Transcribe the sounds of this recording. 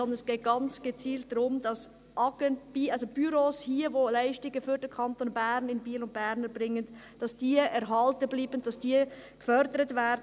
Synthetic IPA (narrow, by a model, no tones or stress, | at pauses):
ɔndənɛsɡ̥eːt̚ɡ̥ɑnt͡sɡ̥ət͡siːltdɾʊmd̥ɑs | ʔɑɡənb̥iʔɑlsob̥yɾoːshiːəvoːlaɪʃtɪɡəfyːɾdɛkʰɑntoːnbɛɾnɪnbiːlʊnt̚b̥ɛɾnəbʁɪŋːən | d̥ɑsd̥iːɛɾɦɑltəbliːbənd̥ɑsd̥iːɡ̥əfœɾdəɾətvɛːd